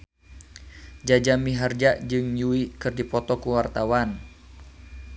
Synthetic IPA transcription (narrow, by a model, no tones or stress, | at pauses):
d͡ʒad͡ʒamiɦard͡ʒaʔd͡ʒɨŋjuikɨrdipɔt̪ɔkuwart̪awan